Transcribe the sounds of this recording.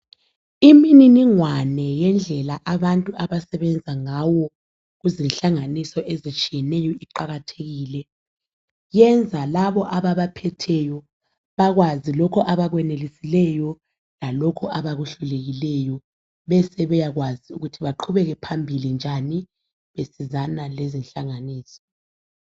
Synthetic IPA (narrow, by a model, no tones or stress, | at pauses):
imininiŋwanɛjɛnd͡ɮʱɛlaʔaβantʼuʔaβasɛβɛnd͡zʱaŋawɔ | ɣuzinɬaŋanisɔʔezit͡ʃʼijɛnɛjɔiǃaɣatʰeɣiːlɛ | jɛnd͡zʱalaβɔʔaβaβapʰɛtʰɛjɔ | βaɣwazilɔkʰɔʔaβaɣwɛnelisilɛjɔ | lalɔkʰɔʔaβaɣuɬuleɣilɛjɔ | βɛsɛβɛjaɣwaziuɣutʰiβaǃʰuβɛɣɛpʰambʱilind͡ʒʱani | βesizanalezinɬaŋaniːsɔ̥